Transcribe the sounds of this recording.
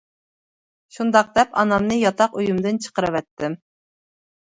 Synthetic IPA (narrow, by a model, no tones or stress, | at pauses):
ʃund̪ɑq̚d̪ɛpɑnɑmnɨjɑt̪ʰɑqøjumd̪ɨnt͡ʃʰə̥qəɾɨwɛt̪ːɪm